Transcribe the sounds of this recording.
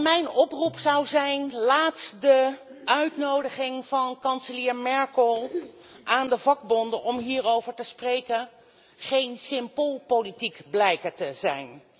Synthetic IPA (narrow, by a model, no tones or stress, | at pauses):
mɛjnɔprupsɑwzɛjnlaːtdəœɥtnowdəχɪŋv̥ɑnkɑnsəlɪːɹmɛɹkəlˠ | ʔaːndəvɑɡ̚bɔndənɔmɦiːrowvəɹtəsprejkən | χejnsɪmbolˠpowlitikblɛjkəɹtəzɛ̰jn